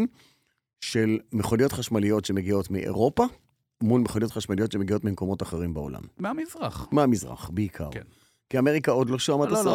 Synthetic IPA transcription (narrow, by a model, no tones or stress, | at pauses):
n | ʃe̞lmeχonijo̞t̪χaʃmalijo̞tʃe̞me̞ɡio̞tmiʔḛʁo̞pa | mulmeχonijo̞t̪χaʃmalijo̞tʃemeɡio̞tmimko̞mo̞taχeʁimbeo̰la̰mmamizʁaχmeamizʁa̰χbeikʰa̰ʁ | kiame̞ʁikao̞d̪lo̞ʃuamat̪as